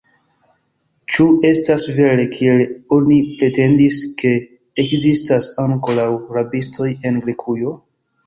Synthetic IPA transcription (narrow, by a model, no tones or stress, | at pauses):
t͡ʃue̞stasve̞ɾe̞kʰie̞lo̞nipɾe̞te̞ndiske̞ː | kzistasaŋko̞ɾawɾabisto̞je̞nɡɾekʰujo̞